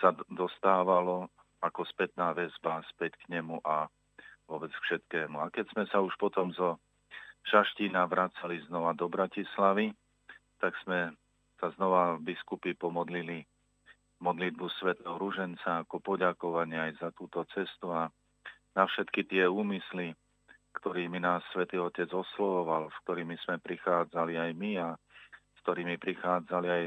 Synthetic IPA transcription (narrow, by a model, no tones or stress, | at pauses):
sad̪ɔst̪aːʋalɔ | akɔspɛt̪naːʋɛzbaspɛckɲɛmuʔa | ʋʊɔbɛt͡skfʃɛt̪kɛːmuakɛz̥mɛsauʃpɔt̪ɔmzɔ | ʃaʃciːnaʋɾat͡saliznɔʋad̪ɔbɾacislaʋi | t̪aɡz̥mɛ | saznɔʋavbiskupipɔmɔd̪lili | mɔd̪lid̪̚busʋɛt̪ɛɦɔɾuʒɛnt͡saːkɔpɔɟakɔʋaɲɪɛajzat̪uːt̪ɔt͡sɛst̪ua | nafʃɛt̪kit̪ɪɛuːmisli | kt̪ɔɾiːminaːsːʋɛt̪iːɔcɛd͡zɔslɔʋɔʋalsk̚t̪ɔɾiːmismɛpɾixaːd͡zaliajmiaskt̪ɔɾiːmipɾixaːd͡zaliaj